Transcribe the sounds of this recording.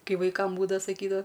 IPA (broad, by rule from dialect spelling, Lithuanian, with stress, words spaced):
ˈkɐɪ ʋɐɪˈkɐm ˈbuːdɐʋɐ sɐˈkʲiːdɐʋɐ